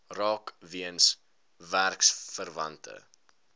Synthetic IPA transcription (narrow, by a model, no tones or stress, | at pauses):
rɑːkviəns | værksfərvɐntʰə̰